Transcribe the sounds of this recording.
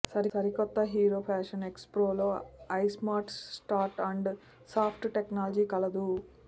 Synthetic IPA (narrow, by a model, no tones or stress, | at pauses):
sɐɾisɐɾikɔt̪ːɐɦiːɾoːpʰaːʂɐnekspɾoːlo̞ːɐjsmaːɾʈsʈaːɾʈɐɳɖ | saːpʰʈʈeknaːlɐd͡ʒiːkɐlɐd̪u